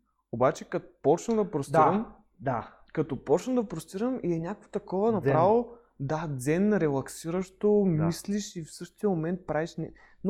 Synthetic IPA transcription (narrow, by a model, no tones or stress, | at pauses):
obat͡ʃɛkɐt̪pɔt͡ʃnɐd̪ɐpɾost̪iɾɐm | d̪a | kɐt̪ɔpɔt͡ʃnəd̪ɐpɾost̪iɾəmiɛnʲakkvot̪ɐkɔvɐnɐpɾavˠo | d̪ad̪zɛnɾɛlˠɐksiɾɐʃt̪omisliʃifsɤʃt̪ijəmomɛnt̪̚pɾaviʃnɛ | n